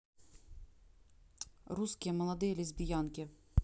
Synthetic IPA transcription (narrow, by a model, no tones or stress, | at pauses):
ruskʲɪɛmɔlˠɐd̪ɪjlʲizʲbʲijɑnkʲɪ